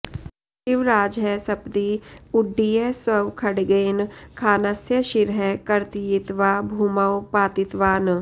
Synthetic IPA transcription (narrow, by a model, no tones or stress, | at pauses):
ʃɪʋɾaːd͡ʒɦɛsɐpd̪iːʊɖːiːeswɐʋkʰɐɽɡenkʰaːnɐsjəʃɪɾɦɛkɐɾt̪iɪt̪ʋaːbʱuːməwpaːt̪ɪt̪ʋaːn